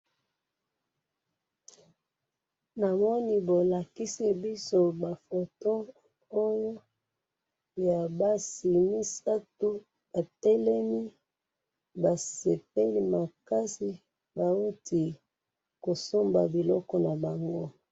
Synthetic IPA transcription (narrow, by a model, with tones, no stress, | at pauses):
na˨mɔ˦ni˦bo˨la˨ki˦si˦bi˦so˦ba˨fo˨to˦ | o˦jo˦ | ja˨ba˦si˨ni˦sa˦tu˦ | a˨tɛ˦lɛ˦mi˦ | ba˨sɛ˨pe˦li˦ma˨ka˦si˨ | ba˨o˦tʰi˨ | ko˨so˦mba̰˨bi˨lɔ˦kɔ˦na˨ba˨ŋɡo˦